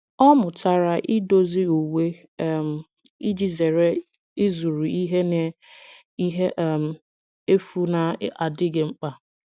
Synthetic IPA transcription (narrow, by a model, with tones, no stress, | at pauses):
ɔ˦mʊ˨ta˨ɾa˨ʔɪ˦do˦zi˦u˨we˦˨ | m̩˨ | i˦d͡ʒi˨ze˨ɾe˦ | ɪ˦zu˨ɾu˨i˦ɦe˦ne˨ | i˦ɦe˦ʔm̩˨ | e˦fu˦na˨˦a˨dɪ˦ɡɪ˨ŋ͡m̩˦k͡pa˨